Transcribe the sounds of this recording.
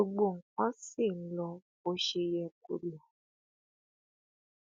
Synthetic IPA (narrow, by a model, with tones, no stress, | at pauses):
o˧ɡ͡bo˦˨ŋ̩˨k͡pɔ̃˦si˦˨n̩˦lɔ˧ | o˧ʃe˧jɛ˧ko˧lɔ˨